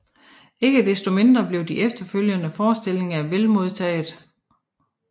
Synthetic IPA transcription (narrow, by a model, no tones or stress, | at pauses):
e̝ɡ̥əd̥esd̥o̝me̝nd̥ʁɐb̥le̝ʊd̥iʔefd̥ɐføl̰jənəfɒːsd̥e̝l̰e̝ŋæʋelmo̝ð̞ˠt͡sʰɛ̰ːð̩ˠ